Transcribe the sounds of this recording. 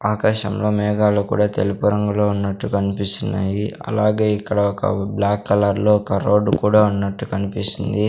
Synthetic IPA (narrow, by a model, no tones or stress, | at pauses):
aːkaʃɐ̰mlo̞ːmɛːɡaːlukṵːɽaːt̪elipuɾɐŋɡuloːunːɐʈːukɐnipist̪unːaːjiɐ̰laːɡe̞ːikːɐɽɐɔkɐ̰blaːkːɐlɐɾlo̞ːɔkɐɾo̞ːɖːukuːɽaːunːɐʈːukɐnipist̪ind̪i